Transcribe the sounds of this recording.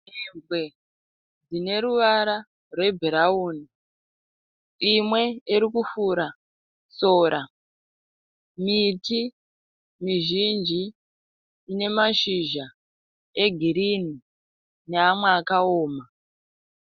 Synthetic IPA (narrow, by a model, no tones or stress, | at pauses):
embwe̞ | d͡zine̞ɾuʋaɾa | rwe̞bʱeɾauːni | imwe̞iɾikufuɾa | soːɾʔa | miti | miʒind͡ʒiː | ne̞maʃiʒa | eɡʱiɾini | neamweakaoːma